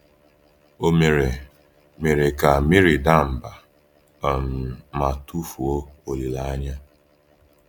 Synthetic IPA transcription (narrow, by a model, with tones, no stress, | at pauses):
o˦me˨ɾe˨ | me˨ɾe˨ka˨mi˦ɾi˨da˦m̩˨ba˨ | m̩˨ma˨tu˦fu˨o˦o˨li˨la˨a˦ɲa˦